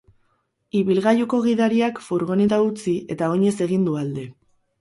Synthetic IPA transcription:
iβilɣajuko̞ɣ̞iðaɾiakfuɾɣo̞net̪aut͡sie̞t̪ao̞ɲe̞se̞ɣind̪uald̪e̞

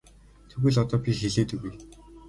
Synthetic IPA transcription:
t̪ʰuɣɘ̆ːɮɔt̪ɔːpʲixeɮeːt̪ɘ̆ɡuj

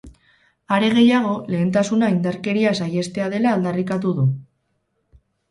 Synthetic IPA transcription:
aɾe̞ɣ̞e̞jaɣ̞o̞le̞ːnt̪asunaind̪aɾke̞ɾiasaje̞st̪e̞að̞e̞laːld̪arikat̪̬uðu

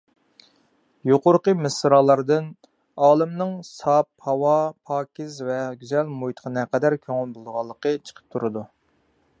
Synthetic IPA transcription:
joqʊɾqəmɨsɾɑːlˠɑɾd̪ɨn | ɑːlˠɨmnɨŋsɑphɑwɑpʰɑːkʲɪzvɛɡʲyzɛlmojt̪ʰə̥qʰənɛqɛd̪æɾkʲʰøŋylˠbolˠʁɑlˠːəqət͡ʃʰə̥qʰə̥p̚t̪ʰuɾɨd̪u

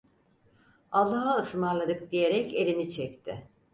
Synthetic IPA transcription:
alˠːaɦaɯsmaɾlˠad̪ɯk̚d̪ije̞ɾɛce̞lʲinit͡ʃʰɛc̚t̪ʰɪ

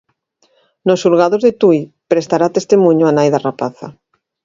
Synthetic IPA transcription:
nosulɣaðozðet̪uj | pɾest̪aɾat̪est̪emũɲoanajðarapaθa̰

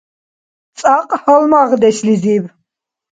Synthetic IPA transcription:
t͡s̪ʼaqʼhəlmaʁd̪ɛʃlizib

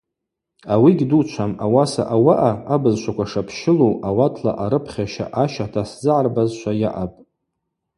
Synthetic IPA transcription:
awiɡʲdut͡ʃʷʰamawasa̰ʔawaʔaabɨzʃʷakʷʰaʂapʰʃɪloawatʰla̰ʔaɾɨpʰχʲaʃa̰ʔaʃatʰaszɨʕarbazʃʷajaʔapʼ

